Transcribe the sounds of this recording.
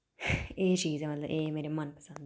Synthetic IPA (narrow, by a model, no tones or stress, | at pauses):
eːʃiːzemɐt̪lɐʔeːmeːɾemɐnpɐ̥sɐ̃nd̪